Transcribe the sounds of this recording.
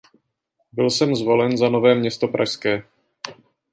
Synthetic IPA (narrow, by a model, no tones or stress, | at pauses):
bɪlsɛmzvo̞lɛnzano̞vɛːmɲɛst̪o̞pɾa̰ʃskɛː